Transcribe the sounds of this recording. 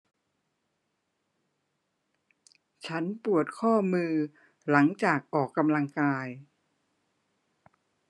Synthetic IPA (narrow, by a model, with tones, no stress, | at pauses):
t͡ɕʰa˦˥npu˨˩ət̪̚kʰɔː˥˩mɯː˧ | la˩˦ŋt͡ɕaː˨˩k̚ʔɔː˨˩kːa˧mla˧ŋkaː˧j